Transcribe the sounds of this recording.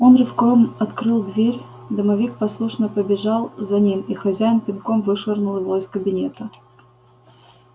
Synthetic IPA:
onrɨfkovəmɐt̪kɾɨlˠd̪vʲeɾʲ | d̪əmɐvʲik̚pɐslˠuʂnəpəbʲɪʐɑlˠzɐnʲimixɐzʲæjɪnpʲɪnkomvɨʂərnʊlˠɨvoɪskəbʲɪnʲet̪ə

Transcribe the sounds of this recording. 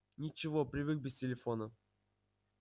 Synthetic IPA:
nʲɪt͡ɕɪvopɾʲɪvɨɡk̚bʲɪsʲtʲɪlʲɪfonə

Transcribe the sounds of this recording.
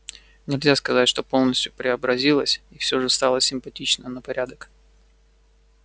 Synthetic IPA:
nʲɪlʲzʲaskɐzatʲʂt̪o̞po̞lˠnəsʲt̪ʲjʊpɾʲɪɐbɾɐzʲilˠəsʲifsʲo̞ʐɨst̪ɑlˠəsʲɪmpɐtʲit͡ɕnənəpɐɾʲʔad̪ək

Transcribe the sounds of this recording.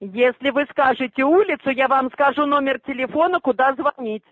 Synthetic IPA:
jesʲlʲɪvɨskaʐɨt͡sʲɪulʲɪt̪sʊjavamskaʐunɔmʲɪrtʲɪlʲɪfɔnəkʊd̪azvanʲit͡sʲ

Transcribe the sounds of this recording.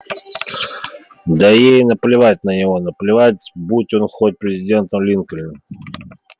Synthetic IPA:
d̪əjejnəplʲɪvat̚ʲnənʲɪvo̞nəplʲɪvatʲbutʲo̞nxot̚ʲpɾʲɪzʲɪdʲe̞nt̪əmlʲinkəlʲɪ

